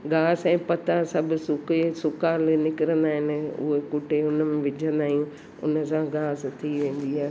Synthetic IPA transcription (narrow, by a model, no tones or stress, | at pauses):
ɡaːsɛ̃ːpɐt̪ãsɐbʱʊ̆sʊkesʊkaːlnɪkɪɾə̃nd̪aːɦɪnɪ̆ʊ̰ɦekʊʈeʊnəmẽʋɪd͡ʑʱə̃nd̪aːɦijũ | ʊ̰nə̆sãɡaːst̪ʰiʋẽːn̆d̪iaːɦe